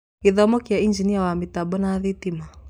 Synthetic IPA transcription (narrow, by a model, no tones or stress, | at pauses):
iðɔmɔkijaind͡ʒiniawamitaɓɔnaðitima